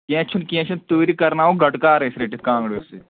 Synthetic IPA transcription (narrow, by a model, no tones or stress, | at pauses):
kẽːt͡ʃʰunkẽːt͡ʃʰunt̪uːɾikɐɾnaːoɡʱɐʈkaːɾɐsɾeːʈikãːŋɡɽeose